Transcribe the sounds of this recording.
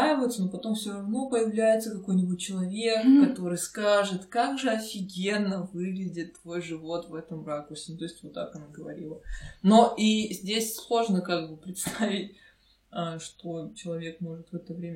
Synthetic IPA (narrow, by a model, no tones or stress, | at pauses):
ajɪvəjt̪sənopɐt̪o̞mfsʲoɾɐvno̞pəjɪvlʲæjɪt̪səkɐko̞jnʲɪbʊt̚ʲt͡ɕɪlˠɐvʲe̞kːɐt̪o̞ɾɨjskaʐɨt̪kaɡʐɨɐfʲɪɡʲe̞nːəvɨɡlʲɪdʲɪt̪ːvo̞jʐɨvo̞t̪vɛt̪əmɾakʊrsʲɪnʊt̪oɪsʲtʲvot̪ːa̰kɐnaɡəvɐɾʲilˠənoʔizʲdʲesʲslˠo̞ʐnəkaɡ̚bɨpɾʲɪt̪st̪avʲɪtʲ | aʂt̪o̞t͡ɕɪlˠɐvʲe̞kmo̞ʐɨt̪vɛt̪əvɾʲemʲə